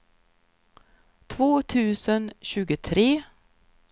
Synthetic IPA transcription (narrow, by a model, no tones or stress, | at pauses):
t̪ʰvoːt̪ʰʉ̟ːsənɕʉ̟ːɡət̪ʰɾeː